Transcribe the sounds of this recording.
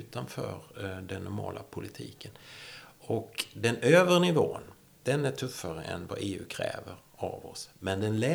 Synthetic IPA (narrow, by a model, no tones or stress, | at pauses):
ʉ̟ːt̪anfœːɾɖɛnːʊɾmɑːlʔapʰʊlɪt̪ʰiːkʰən | ɔkd̪ɛnøːvəɾɳɪvoːn | d̪̥ɛnæʈʰɵfːaɾəʔɛnvaʔeːʉ̟ːkʰɾɛ̰ːvəɾ | avɔsmɛnd̪ɛnlɛ